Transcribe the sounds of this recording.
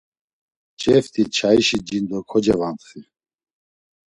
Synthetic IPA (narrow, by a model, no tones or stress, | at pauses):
t͡ʃʼɛft̪ʰʼit͡ʃʰaiʃid͡ʒind̪ɔkʰɔd͡ʒɛvant̪χi